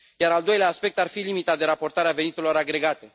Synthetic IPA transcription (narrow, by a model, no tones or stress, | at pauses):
jaɾald̪o̞jleaːspe̞k̚t̪arfilimit̪ad̪e̞ɾapo̞rt̪aɾeave̞nit̪e̞lo̞ɾaɡɾe̞ɡat̪e̞